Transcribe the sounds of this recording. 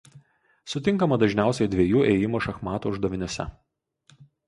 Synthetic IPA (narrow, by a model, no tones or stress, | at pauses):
sʊt̪ʲɪŋkɐmɐd̪ɐʒʲnʲæˑʊsʲɛɪd̪ʲʋʲeɛjuːʔɛjɪmoːʃɐxmɑːt̪uʊʒd̪ɐʋʲɪnʲʊsʲɛ̰